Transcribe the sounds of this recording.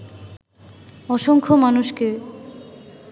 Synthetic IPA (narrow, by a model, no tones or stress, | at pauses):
ɔʃoŋkʰomanuʃke